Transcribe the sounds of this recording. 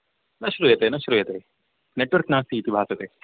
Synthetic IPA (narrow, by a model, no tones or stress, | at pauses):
nɐʃɾujɐt̪eːnɐʃɾujɐt̪eː | neʈʋɐɾknaːst̪iːt̪ibʱaːsɐt̪e